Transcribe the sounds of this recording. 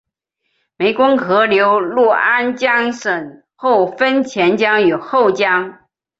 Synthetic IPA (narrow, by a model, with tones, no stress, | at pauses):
me˧˥ɪkʊ˥ŋkʰɤ˧˥ljo˧˥ʊlu˥˩a˥nt͡ɕjɑ˥ŋʂə˨˩n | xo˥˩ʊfə˥nt͡ɕʰjɛ˧˥nt͡ɕjɑ˥ŋjo˨˩ʊxo˥˩ʊt͡ɕjɑ˥ŋ